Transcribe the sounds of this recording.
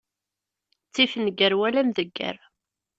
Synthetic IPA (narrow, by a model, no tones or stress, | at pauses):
t͡sːifnəɡːəɾwælæmðəɡːə̰ɾ